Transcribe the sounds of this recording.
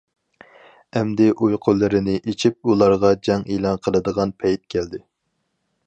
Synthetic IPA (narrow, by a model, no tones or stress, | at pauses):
ɛmd̪ɪʔujqʰolˠːɨɾɪnɪʔit͡ʃʰip̚ulˠɑɾʁɑd͡ʒɛŋelˠɑnqʰəlˠɨd̪əʁɑnpʰɛjt̪̚kʲʰæld̪ɪ